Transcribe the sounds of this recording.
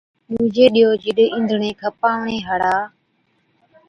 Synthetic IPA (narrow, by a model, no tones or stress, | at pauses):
ɗuːd͡ʒeːɗɪjoːd͡ʒɪɗeːʔɪ̃nd̪ʱɳẽːkʰəpaːʋɳeːɦəɽaː